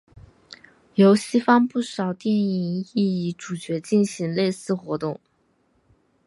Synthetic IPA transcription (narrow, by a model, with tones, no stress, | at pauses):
jo˧˥ʊɕi˥fɑ˥ŋpu˥˩ʂɑ˨˩ʊt̪jɛ˥˩ni˧˥ŋi˥˧i˧˥ʈ͡ʂu˨˩t͡ɕɥɛ˧˥t͡ɕi˥˩nɕi˧˥ŋle˥˧ɪsɹ̩˥˩xwɔ˧˥t̪ʊ˥˩ŋ